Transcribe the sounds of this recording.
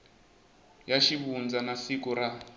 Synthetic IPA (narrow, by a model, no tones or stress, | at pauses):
jaʃiβund͡zanasikuɾa